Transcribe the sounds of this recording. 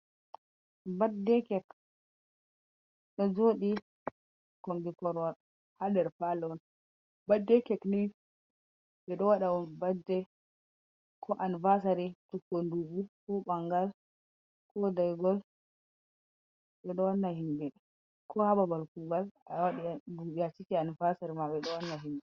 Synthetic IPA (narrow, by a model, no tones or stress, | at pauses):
badɛkɛk | ɗɔd͡ʒoɗi | kɔmɡikɔɾwaɾ | hadɛɾfalɛwɔn | badːɛkɛkni | ɓɛɗɔwaɗawɔnbadːɛ | kʰɔʔanivasaɾitukːonduɡukɔɓaŋɡal | kʰɔdajɡɔl | ɓɛɗɔwanːahimbɛɗɛ | kɔhababalkuɡalawaɗibujat͡ʃitianvasaɾimaɓɛɗɔwanːaɦimbɛ